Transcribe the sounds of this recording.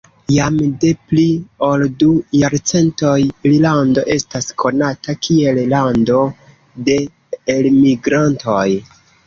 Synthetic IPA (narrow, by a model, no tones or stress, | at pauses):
jamde̞plio̞ldujaɾt͡se̞nto̞jlilando̞ʔe̞staskʰo̞natakʰie̞llando̞ | de̞ː | lmiɡɾantʰo̞j